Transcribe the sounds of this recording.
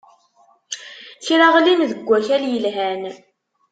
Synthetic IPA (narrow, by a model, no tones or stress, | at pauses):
çɾaʁlinðəɡʷːæçæljəlɦæn